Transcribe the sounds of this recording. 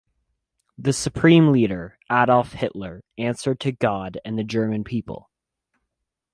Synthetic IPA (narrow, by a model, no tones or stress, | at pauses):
ðɨsɨpʰɹ̥ĩmliɾə˞ʔæɾl̩ˠfhɪʔlə˞æ̃nsə˞d̚tʰɨɡɑɾɨ̃nðɨd͡ʒɜ˞mɨ̃npʰipə̰l̩ˠ